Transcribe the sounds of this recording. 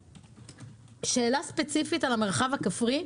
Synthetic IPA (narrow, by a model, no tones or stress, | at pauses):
ʃe̞ːlaspet͡sifitalameʁχavakafʁi